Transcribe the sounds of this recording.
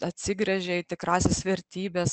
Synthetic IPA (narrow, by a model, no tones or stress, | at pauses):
ɐt̪ʲsʲɪɡɾʲɛʒʲɛit̪ʲɪkɾɑːsʲeːsʋʲɛɾʲt̪ʲiːbʲeːs